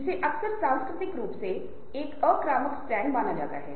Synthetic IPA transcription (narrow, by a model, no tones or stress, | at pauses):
ɪseːʔəksəɾsãːnskɾɪt̪ɪkɾuːpse | ɪkəkɾaːməksʈɾɛ̃ːŋɡmaːnaːd͡ʒa̰ːt̪a̰ːɦɛ̰ː